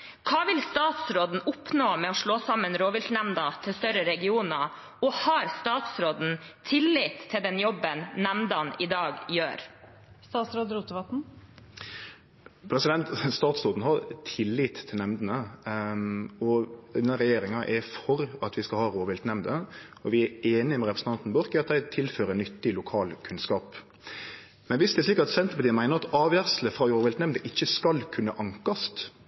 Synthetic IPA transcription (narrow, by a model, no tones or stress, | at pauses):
kʰɑːʋɪlst̪ɑːt̪sɾoːd̪n̩ʊpnoːmɛːɔʂɭoːsɑmːənɾoːʋɪlt̪næmnd̪ɑt̪ʰɪst̪œɾəɾɛɡɪuːnɑ | ɔhɑːɾst̪ɑːt̪sɾoːd̪n̩t̪ʰɪlːɪːt̪ʰːɪld̪ɛnjɔbənːæmd̪ɑnɪd̪ɑːɡjø̰ːɾ | st̪ɑːt̪sɾoːd̪ɾuːt̪əʋɑt̪n̩ | pʰɾɛsɪd̪ɛnt̪st̪ɑːt̪sɾoːd̪n̩hɑɾt̪ʰɪlːiːt̪ʰːɪlnɛmd̪ənə | ɔʉnːɑɾɛjeːɾɪŋɑʔɛɾfɔɾɑt̪ʋɪskɑlhɑːɾoːʋɪlt̪nɛmd̪ə | ɔʋɪæɾeːnɪmɛɾɛpɾəsn̩t̪ɑnt̪n̩bɔɾkɪɑt̪̚d̪æɪt̪ʰɪlføːɾənʏt̪ːɪlʊkʰɑːlkʰʉnskɑːp | mɛnʋɪsd̪ɛɾʂliːkɑt̪sɛnt̪əpɑt̪iːənmæɪnəɾɑt̪ɑːʋjæʁsləfɾʁɑːɾoːʋɪlt̪nɛmd̪əʔɪçːəskɑlkʰʉnːə̰ʔɑŋkɑst̪